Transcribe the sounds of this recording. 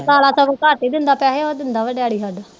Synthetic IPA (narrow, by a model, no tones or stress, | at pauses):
t̪aːlaːsəbkaːʈiːd̪ɪnd̪aːpɛːɦeod̪ɪnd̪aːʋəɖjaːɽiːɦəd̪